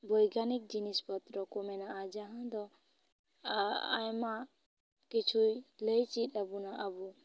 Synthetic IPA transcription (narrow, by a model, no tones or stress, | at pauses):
bɔjɡanik̚d͡ʒinispɔt̪ɾɔkɔmɛnaːd͡ʒaɦãd̪ɔ | a̰jma | kit͡ʃʰujləjt͡ʃit̪abunaʔabu